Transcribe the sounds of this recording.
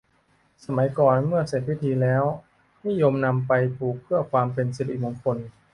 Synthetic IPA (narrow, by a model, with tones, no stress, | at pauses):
sa˧ma˩˦jkɔː˨˩nmɯ˥˩ɐse˨˩t̪̚wi˦˥t̪ʰiː˧lɛː˦˥w | niː˦˥˨jo˧mna˧mpa˧jt̪ʰuː˨˩k̚pʰɯ˥˩ɐkʰwaː˧mpe˧nsi˧˨˩t̪ʰi˨˩mo˧ŋkʰo˧n